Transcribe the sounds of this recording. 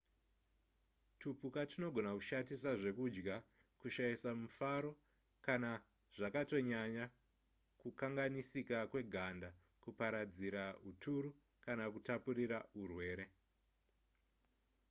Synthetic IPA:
tupukatino̞ɡʱo̞nakuʃatisaʐe̞kud͡ʒɡa | kuʃaisamufaɾo̞ | kana | ʐ̥akato̞ɲaɲa | kukaŋɡanisikakwe̞ɡʱanda | kupaɾad͡ziɾautʰuɾu | kanakutapuɾiraurwe̞ːɾe̞

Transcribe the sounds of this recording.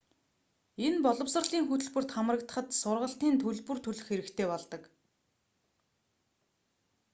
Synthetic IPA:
enpɔɮɞ̆wsə̆rɮiːŋxɵt̪ɵ̆ɮpɵ̆r̥t̪χamərə̆kt̪ə̆χə̆t̪sʊrʁə̆ɬt̪iːnt̪ʰɵɮpɵ̆rt̪ʰɵɮɵ̆xeɾɘ̆kt̪ʰeːpɔɮt̪ɞ̆k

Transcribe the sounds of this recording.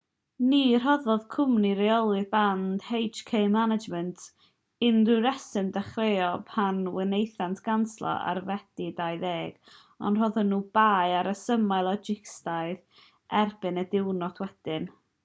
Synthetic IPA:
nir̥ɔðɔð̥kʰʊmniɾeɔlˠɨðband̥hejd͡ʒkʰejmanad͡ʒmɛntʰ | ɪndɨɾɛsɨndaχrejɔpʰanwɪnejθantʰɡ̥anslˠɔ̰ʔa̰rvɛd̥idajðeːɡ̥ | ɔ̰nr̥ɔðɔnuːbaːjaɾəsəmajlˠɔd͡ʒɪkstajð | ʔɛrb̥ɨnədɪwnɔtʰwɛd̥ɪn

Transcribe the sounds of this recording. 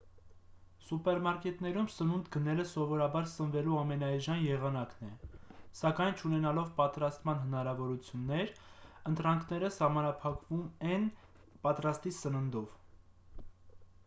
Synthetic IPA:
supɛɾmɑɾkɛt̪nɛɾumsənund̪ɡənɛləsɔvɔɾɑbɑɾsənvɛluɑmɛnɑjʒɑnjɛʁɑnɑknɛsɑkɑjnt͡ʃʰunɛnɑlɔvpɑt̪ɾɑst̪mɑn̪ɦənɑɾɑvɔɾut͡sʰjunːɛɾənt̪ɾɑŋkʰnɛɾəsɑmɑnɑpʰɑkvumɛn | pɑt̪ɾɑst̪isənənd̪ɔv

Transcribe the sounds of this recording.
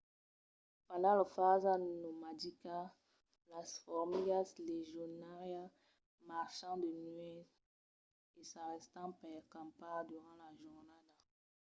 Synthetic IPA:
palaləfazanomadika | lasfɔʁmiɡasleʒɔnaʁja | maʁʃɑ̃d̪ənɥɛ | esaʁɛst̪ɑ̃pɛʁkɑ̃pad̪yʁɑ̃laʒuʁnada

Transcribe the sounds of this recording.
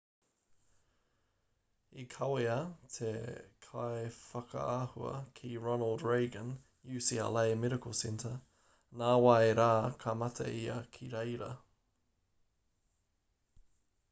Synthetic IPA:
ikʰɐweɐtʰekʰaefɐkʰɐ̰ahuɐ̰kʰiɹɔnəlˠdɹeɪɡə̃n | jʉːsia̰lajmɛɾɪkʰosɛntʰə | naːwaeɾaːkʰɐmɐtʰɐ̰iɐkʰiɾejɾɐ

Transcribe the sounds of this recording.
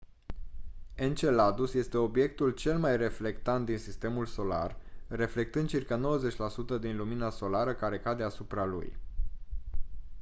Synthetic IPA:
e̞nt͡ʃe̞lad̪usje̞st̪e̞o̞bje̞k̚t̪ult͡ʃe̞lmajre̞fle̞kt̪ant̪̚d̪insist̪e̞mulso̞la̰rre̞fle̞k̚t̪ɨnd̪̚t͡ʃirkano̞wəze̞t͡ʃʲlasut̪əd̪inluminaso̞laɾəkaɾe̞kad̪e̞asupɾalṵj

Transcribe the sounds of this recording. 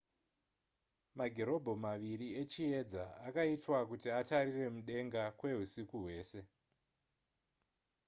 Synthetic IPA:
maɡʱeɾo̞bʱo̞maʋiɾiet͡ʃie̞d͡zaakaitwakutiataɾire̞muɗe̞ŋɡakwe̞ɦusikuɦwe̞ːse̞

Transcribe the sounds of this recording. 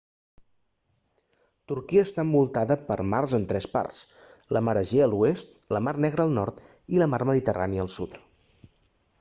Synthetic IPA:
t̪uɾkiəːst̪ambulˠt̪aðəpəɾmarzənt̪ɾɛspa̰rs | ləməɾəʒeəluest̪ləmarnɛɣɾəːlˠnɔɾt̪ | iləmarməðit̪əra̰niəːlˠsut̪

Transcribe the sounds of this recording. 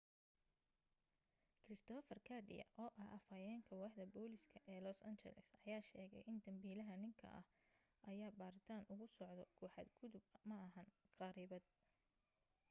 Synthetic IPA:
kʰrɪst̪ʰɔːfɐrkʰɐrɖɪ̰jɐ̰ʔɔːʔɐhʔɐfɐjɛːŋkʰɐwɑːħd̪ɐbɔːlɪskʰɐʔɛːlɔsɐnt͡ʃɛ̰lɛ̰sɐjaːʃɛːɣɛ̰jʔɪnt̪ʰɐmbiːlɐɦɐnɪŋkʰɐ̰ʔɐ̰h | ʔɐjaːbaːɾɪt̪ʰaːnʔʊɣʊsɔʕd̪ɔkʰɔːħɑ̰ːd̪ɡʊðʊbmɐʔɐɦɐnqɑɾiːβɐd̪̚

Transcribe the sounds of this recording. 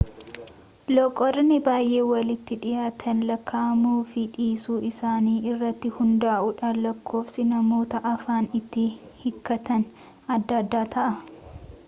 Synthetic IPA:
lɔkʼɔɾnɪbaːjʔe̞ːwɐlɪt̪ːɪᶑɪjaːt̪ʰɐnlɐkʰːaːmuːfɪᶑiːsuːɪsaːniːɪrːɐt̪ːɪhʊnd̪aːʔʊᶑɐlɐkʰːo̞ːfsɪnɐmo̞ːt̪ɐʔɐfaːnɪt̪ːɪhɪkːɐt̪ɐn | ɐd̪ːɐd̪ːaːt̪ʰɐʔɐ

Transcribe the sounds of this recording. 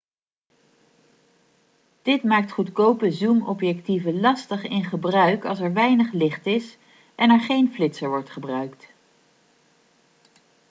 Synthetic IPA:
d̥ɪtmaːk̚tχutkowpəzumɔpjɛk̚tivəlɑstəχɪnχəbrœɥkɑ̰lˠsɛɹʋɛjnəχlɪχtɪs | ʔɛnɛɹχejnflɪtsəɹʋɔɹtχəbrœɥkt

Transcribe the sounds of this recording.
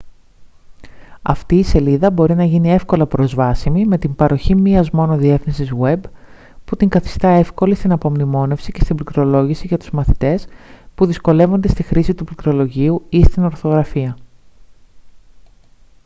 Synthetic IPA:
ɐ̰ft̪iːse̞liðɐbo̞ɾinɐʝinie̞fko̞lɐpɾo̞zvɐsimime̞t̪imbɐɾo̞çimiɐzmo̞no̞ðie̞θinsizwe̞b | put̪iŋɡɐθi̥st̪ɐe̞fko̞list̪inɐpo̞mnimo̞ne̞fsice̞st̪imblikɾo̞lo̞ʝisiʝɐt̪u̥zmɐθit̪e̞spuðisko̞le̞vo̞nd̪e̞st̪ixɾisit̪uplikɾo̞lo̞ʝiuist̪ino̞ɾθo̞ɣɾɐfiɐ

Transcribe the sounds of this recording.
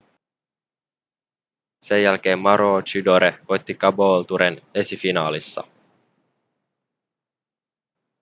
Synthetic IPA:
se̞jjælk̟e̞ːmːɑɾoːt͡ʃydoɾeojt̪ːikɑboːlt̪uɾene̞sifinɑːlisːɑ̰

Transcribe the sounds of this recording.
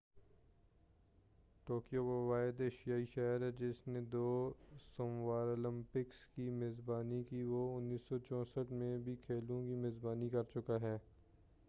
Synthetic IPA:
ʈoːkijobɐwaːɪd̪eʃijaːiʃɛɦəɾɦɛd͡ʒɪsned̪oːsomwaːɾoːlɪ̃mpɪkskimeːzbaːnikiʋoʊnːiːsːɔt͡ʃɔ̃ːsəʈmẽbʱikʰeːlũkimeːzbaːnikɐɾt͡ʃʊkaɦɛː

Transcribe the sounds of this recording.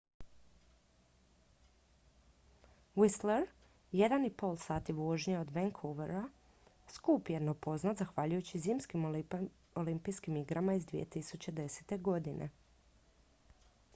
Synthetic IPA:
wisleɾ | je̞d̪anipo̞ːlˠsaːt̪iʋoʒɲeod̪ʋeŋkʰoʋeɾa | skuːpjed̪nopo̞znat̪zaxʋaʎujut͡ɕiziːmskim | olimpiskimiɡɾamaizd̪ʋḭjḛt̪isut͡ɕe̞d̪e̞set̪e̞ɡo̞d̪inʔḛ

